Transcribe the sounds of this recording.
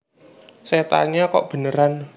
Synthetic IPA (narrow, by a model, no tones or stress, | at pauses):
set̪a̰ɲakɔ̰ʔb̥ə̤nəɾan